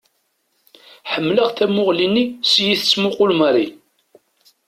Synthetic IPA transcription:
ħəmːləʁθæmʊʁlinːisjiθət͡sːmʊqʊlməɾi

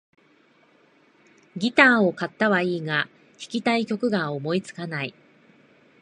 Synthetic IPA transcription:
ɡʲit̪aːo̞kat̪ːaβaiːɡa | çi̥kʲit̪aikʲo̞kɯ̟ɡaomo̞it͡sɨ̥kanai

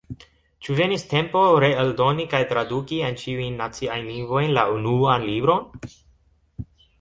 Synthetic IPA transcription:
t͡ʃuve̞niste̞mpo̞ɾe̞eldo̞nikajtɾadukient͡ʃiujnːat͡siajnliŋɡvo̞jnlaunuanlibɾo̞n

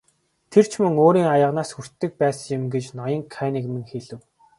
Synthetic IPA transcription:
t̪ʰer̥t͡ɕʰmɵŋoːɾiːŋajə̆ʁnaːsxur̥t̪ːɘ̆k̚pæːs̆jɪ̆mɡet͡ɕnɔjɞ̆ŋkʰæːniɣmɘ̆ŋxeɮɘ̆w

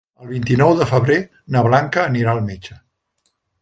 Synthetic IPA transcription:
əlˠβint̪inɔwðəfəβɾe | nəβlaŋkəːniɾaəlˠmet͡ʃə

